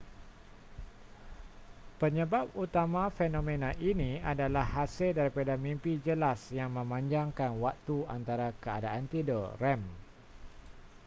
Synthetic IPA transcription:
pəɲə̃baput̪amãfenõmẽnãʔinĩadalahːasɪldaɾipadamĩmpid͡ʒəlasjaŋmə̃mãɲd͡ʒaŋkanwak̚t̪ua̰nt̪aɾakəadaʔant̪idərɛm

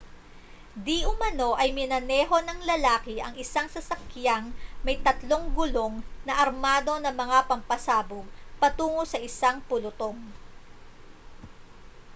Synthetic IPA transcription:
d̪iʔʊmɐno̞ʔɐjmɪnɐnɛːɦo̞nɐŋlɐlaːkɪʔɐ̰ŋɪsaŋsɐsɐkjaŋmɐjt̪ɐt̪lo̞ŋɡʊlo̞ŋnɐʔɐɾmaːd̪o̞nɐmɐŋapɐmpɐsaːbʊɡ̚pɐt̪uːŋosɐʔɪsaŋpʊlʊt̪o̞ŋ

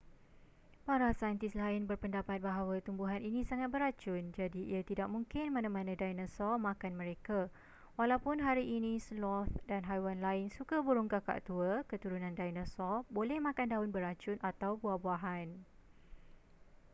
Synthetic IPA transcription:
paɾasajnt̪ɪslaɪnbərpəndapat̪̚baɦawat̪umbuɦaninĩsaŋat̪̚bəɾat͡ʃʊnd͡ʒadiḭat̪idaʔ̚mũŋkɪnmãnãmãnãdajnãsɔmãkanmə̃ɾeka | walawpʊnɦaɾiʔinĩslɔθdanɦajwanlaɪnsukabuɾuŋkaka̰ʔt̪uəkət̪uɾunãndajnãsɔbolɛhmãkandaɦʊnbəɾat͡ʃʊnʔat̪awbuahbuaɦan

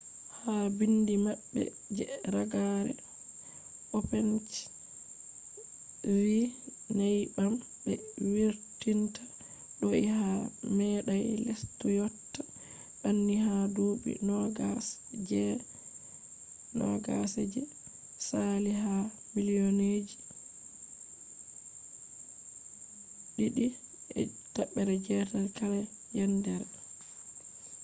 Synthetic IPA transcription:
habindimabːɛ̰ | d͡ʒɛɾaɡaɾɛ̰ | ʔɔpɛnt͡ʃ | wi | najbam | bɛwiɾtintʰḁ | ɗɔihamɛɗajlestujɔtːa | ɗanːihadoɓḭnɔɡa | d͡ʒɛ | nɔ̰ɡasɛɛ | saliɦa | milijɔned͡ʒi | ɗiɗiɛ̰ | taɓːɛɾɛd͡ʒɛdalkaɾɛ | jandɛɾ

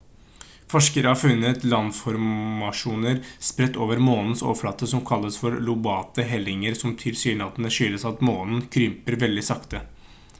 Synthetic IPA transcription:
fɔʂkəɾəhɑːɾfʉnːət̪lɑnfɔɾmɑʂuːnəɾspɾɛt̪ːoːʋəɾmoːnn̩so̰ːʋfɽɑt̪ːəsɔmkʰɑlːəsfɔɾlʊbɑːt̪əɦɛlɪŋəɾsɔmt̪ʰɪlsyːɳɑd̪ənəʂʏləsɑt̪moːnn̩kʰɾʏmpəɾʋɛld̪ɪsɑkt̪ə

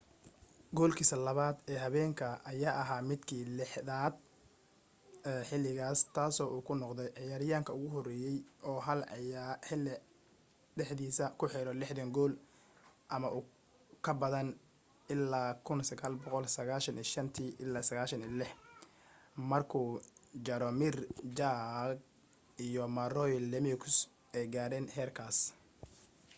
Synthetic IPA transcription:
ɡɔːlkʰiːsɐlɐβaːd̪ɛːɦɐβɛːŋkʰɐʔɐjaːʔɐɦaːmɪd̪kʰiːlɪħðaːd̪̚ | ɛːħɪlɪɣaːst̪ʰaːsɔːʔuːkʰʊnɔqd̪ɛjʕɪjaːɾɪjaːŋkʰɐʊɣʊɦɔrɛːjɛjʔɔːɦɐlħɪlɪ | ɖɛħd̪iːsɐkʰʊħɛɾɔlɪħd̪ɐŋɡɔːl | ʔɐmɐʔuː | kʰɐbɐðɐn | ʔɪlːaːkʰʊnsɐɣaːlbɔqɔlsɐɣaːʃɐniːʃɐnt̪ʰiːʔɪlːaːsɐɣaːʃɐniːlɪħ | mɐrkʰuːd͡ʒɐɾɔmɪrd͡ʒaɡ̚ | ijɔmɐrɔjlɛmikʰs | ʔɛjɡaːɾɛːnhɛːrkʰaːs

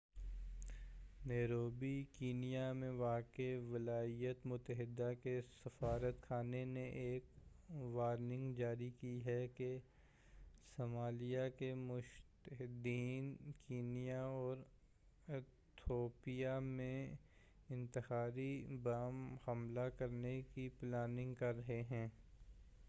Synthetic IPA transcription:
neːɾoːbikiːnijamẽʋaːkeʋɪlaːijət̪mʊt̪ːəɦɪd̪ːakesɐfaːɾət̪kʰaːneneʔeːk | ʋaːɾnɪ̃ŋɡd͡ʒaːɾikiɦɛke | somaːlijakemʊʃt̪əɦɪd̪iːnkiːnijaɔːɾ | ɪt̪ʰoːpijamẽ | ɪ̃nt̪ɪhaːɾibaːmhɐmlakɐɾnekiplaːnɪ̃ŋɡkɐɾːɐɦeɦɛ̃ː

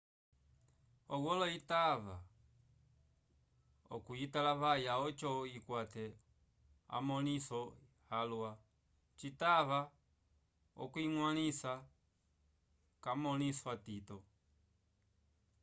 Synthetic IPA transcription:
ɔɡɔlɔitava̰ | ɔ̰kuitalaβajaɔt͡ʃɔikwatɛ | a̰mɔnisɔ | halwa | t͡ʃitava | ɔ̰kuiŋwanisa | kamɔniswatitɔ

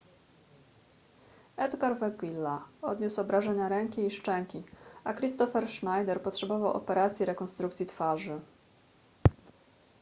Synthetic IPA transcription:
ɛd̪ɡaɾvɛɡilːaɔd̪ɲusɔbɾaʐɛɲaɾɛŋkʲiːʂt͡ʂɛŋkʲiakɾist̪ɔfɛɾʂnajd̪ɛɾpɔtʂɛbɔvawʔɔ̰pɛɾat̪sʲjiɾɛkɔnst̪ɾuk̚t̪sʲit̪faʐɘ

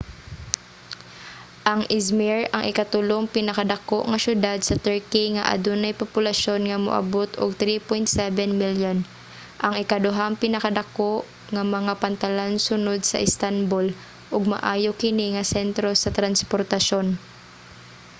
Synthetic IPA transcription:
ʔɐŋʔɪsmiɹɐŋʔɪkɐt̪ʊloŋpɪnɐkad̪ɐkoʔŋɐʃʊd̪ad̪̚sɐt̪ɛɹkiŋɐ̰ʔɐ̰d̪unɐjpopʊlɐʃonŋɐmʊ̰ʔɐ̰bot̪oɡ̚t̪ɾipojnt̪sɛvɛnmiljon | ʔɐŋɪkɐd̪ʊɦaŋpɪnɐkɐd̪ɐkoʔ | ŋɐmɐŋapɐnt̪ɐlansʊnod̪̚sɐ̰ʔɪst̪anbol | ʔʊɡ̚mɐ̰ʔaːjokɪniŋɐsɛnt̪ɾo̞sɐt̪ɾɐnspoɾt̪ɐʃo̞n

